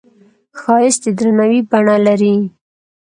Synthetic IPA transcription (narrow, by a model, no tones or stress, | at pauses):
xɑɪsd̪ed̪ɾanawibaɳalaɾi